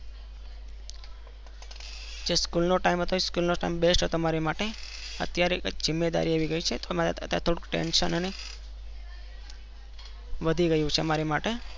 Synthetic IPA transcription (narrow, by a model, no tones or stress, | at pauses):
d͡ʒeskulnoʈaimɦət̪ʰojskulnoʈa̰imbesʈt̪omaɾemaʈe | ə̰t̪jaɾed͡ʒɪmːed̪a̰ɾiaʋiɡəit͡ʃʰet̪omaə̰t̪jaɾt̪ʰoɽukʈḛnʃə̰nəne | ʋəd̪ʱiɡəjũt͡ʃʰeəmaɾemaʈe